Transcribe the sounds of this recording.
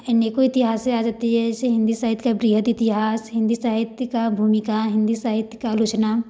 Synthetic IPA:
eneːkoɪt̪ɪɦaːseaːd͡ʒat̪iɦɛseɦɪ̃nd̪isaːɦɪt̪kabɾiːɦət̪ɪt̪ɪɦaːsɦɪ̃nd̪isaːɦɪt̪jkabʱuːmɪkaɦɪ̃nd̪isaːɦɪt̪jkalʊt͡ʃna

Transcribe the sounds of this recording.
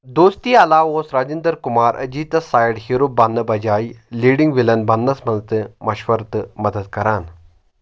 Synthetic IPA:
d̪oːst̪iːɐlaːʋosɾaːd͡ʑind̪əɾkumaːɾʔɐ̰d͡ʑiːt̪ɐsaːjɽhiɾubanːɐbɐd͡ʑaːjliɽiŋɡʋilɐnbɐnːɐsmɐnst̪ɨmɐɕʋɐɾt̪mɐd̪əd̪̚kɐɾan

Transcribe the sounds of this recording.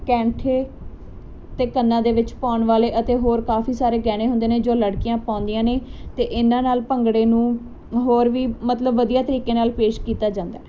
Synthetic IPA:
kɛ̃ːɳʈʰeː | t̪eːkənːãːd̪eːʋɪt͡ʃpaːɳʋaːleːʔət̪eːɦoːɾkaːfiːsaːɾeːɡɛːɽ̃eːɦʊnd̪eːneːd͡ʒoːləɽkɪjãːpãːnd̪ɪjãːneːt̪eːʔɪnãːnaːlpəŋɡɽeːnũː | ɦoːɾʋiːmət̪ləbʋəd̪ijaːt̪əɾiːkeːnaːlpeːʃkiːt̪aːd͡ʒãːnd̪a̰ɛː

